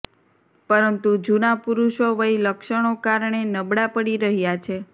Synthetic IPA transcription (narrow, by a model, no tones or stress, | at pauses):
pəɾənt̪ud͡ʒunapuɾuʃoʋəiləkʃəɳ̃okaɾɳenəbɽapəɽiɾəɦjat͡ʃʰe